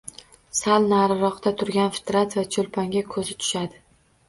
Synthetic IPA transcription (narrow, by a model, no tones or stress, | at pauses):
salnaɾɪɾɒqt̪at̪ʰʊɾɡʲanfɪ̥t̪ɾat̪vat͡ʃʰolpʰaŋɡʲakʰɵzɪt̪ʰʊ̥ʃad̪ɪ